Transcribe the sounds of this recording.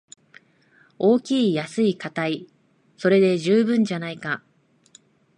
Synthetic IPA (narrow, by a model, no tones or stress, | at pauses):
o̞ːkʲiːjasɨikat̪ai | so̞ɾe̞d̪e̞ʑɨːbɯ̟̃ɲ̟d͡ʑanaika